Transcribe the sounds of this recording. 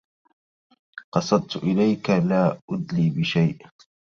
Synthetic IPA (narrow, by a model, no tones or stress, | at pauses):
qɑsˤɑd̪̚ˤt̪ʔɪlajkalaːʔʊd̪liːbɪʃajʔ